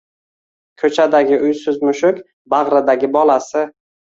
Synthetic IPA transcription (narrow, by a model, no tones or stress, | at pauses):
kʰɵt͡ʃʰad̪aɡʲɪʔʊjsʊzmʊʃʊkʲ | baʁɾad̪aɡʲɪbɒlasɪ